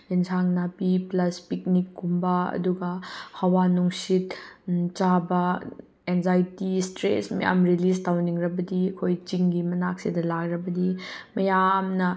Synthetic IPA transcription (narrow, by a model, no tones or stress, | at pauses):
ensʰaŋnapiplɐspik̚nikːumbɐɐ̰duɡɐhɐwanuŋsit̚t͡ʃabɐ | enzajtistɾḛsmɐ̰ja̰mɾilistawniŋɾɐbɐdiɐkʰojt͡ʃiŋɡimɐnak̚sidɐlakɾɐbɐdimɐjamnɐ